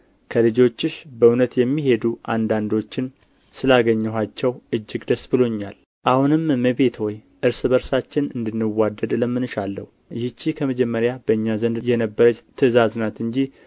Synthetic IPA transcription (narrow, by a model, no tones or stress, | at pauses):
kʰəlɨd͡ʒo̞t͡ʃːɨʃbəunət̪jɛmːiɦe̞d̪uʔa̰nd̪and̪o̞t͡ʃːɪn | sɨlaɡəɲːɛɦat͡ʃːɛwɨd͡ʒːɪɡd̪əsbɨlo̞ɲːal | ʔahunɨmməβe̞t̪wɔj | ʔɨɾsɨbəɾsat͡ʃːɪnɨnd̪ɨnːɨwːad̪ːəd̪ləmːɨnɨʃalːə̰hu | jɪt͡ʃːikʰəməd͡ʒɛmːəɾjab̥əɨɲːazənd̪jɛnəbːəɾət͡ʃt̪ʰɨzaznat̪ɨɲd͡ʒi